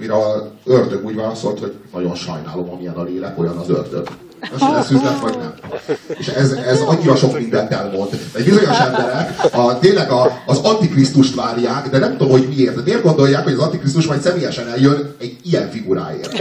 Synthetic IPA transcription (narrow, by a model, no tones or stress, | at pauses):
miɾɛørd̪øɡuːɟvaːlɒsoːlt̪ho̞ɟnɒɟo̞nʃɒ̰jna̰ːlo̞mɒmijɛnɒleːlɛko̞jɒnɒzø̰rd̪ø̰ɡ | ɒʃɛlɛsyzlɛt̪vɒɟnɛmeːʃɛzɛzɒɲːiɾɒʃo̞kmind̪ɛnt̪ɛlmo̞nd̪ɛɟbizo̞ɲo̞ʃɛmbɛɾɛkɒt̪eːlɛɡɒːzɒnt̪ikrist̪uʃt̪ʋaːrjaːkd̪ɛnɛmt̪omho̞ɟmieːrt̪ɛmeːrɡo̞nd̪o̞jaːkhoɟɒzɒnt̪ikris̬t̪uʃmɒjt̪sɛmeːjɛʃɛnɛljønɛɟijɛɱfiɡuɾa̰ːḛːrt̪